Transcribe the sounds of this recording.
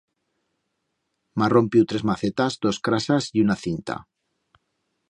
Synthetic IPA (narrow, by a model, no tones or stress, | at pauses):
maro̞mpjut̪ɾe̞zmaθe̞t̪azd̪o̞skɾasasiunaθint̪a̰